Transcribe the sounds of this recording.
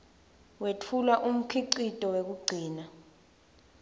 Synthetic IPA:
wetʰulaʔum̩kʰiǀitʼɔwek̬uɡ͡ǀʱiːna

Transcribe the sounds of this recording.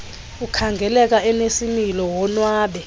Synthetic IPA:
ukʰaŋɡʱɛlɛk̬aɛnesimilɔwɔnwaːɓɛ

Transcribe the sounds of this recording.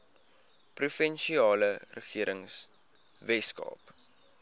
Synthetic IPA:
prufɛnʃiɑːlərəχiəɾəŋs | vɛskɑ̰ːp

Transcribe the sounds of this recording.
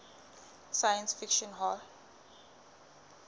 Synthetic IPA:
sajə̃nsfikʃɔ̃nɦa

